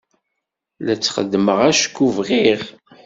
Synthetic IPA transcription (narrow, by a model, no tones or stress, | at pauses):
læt͡sːχə̰d̪ːməʁæʃkːuvʁiʁ